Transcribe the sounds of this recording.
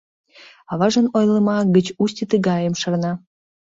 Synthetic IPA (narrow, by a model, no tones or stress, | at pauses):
ɑβɑʒənojləmɑɡət͡ɕusʲtʲit̪əɡɑjəmʃɑrnɑ